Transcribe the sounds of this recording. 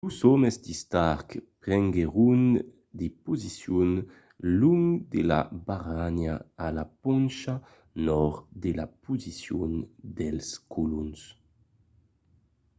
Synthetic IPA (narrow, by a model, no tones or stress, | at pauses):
lusɔmezd̪ist̪aʁkpʁɛŋɡeʁun | d̪epuzisjun | luŋd̪ela̰baʁanaalapɔnʃa | nɔʁd̪elapuzisjund̪ɛlskʰuluns